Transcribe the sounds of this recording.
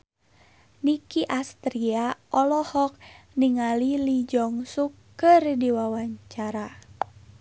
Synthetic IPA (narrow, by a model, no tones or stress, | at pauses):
nikiʔast̪ɾiaʔɔlɔhɔk̚ | niŋalilid͡ʒɔŋsukː | ɨrdiwawaɲt͡ʃaɾa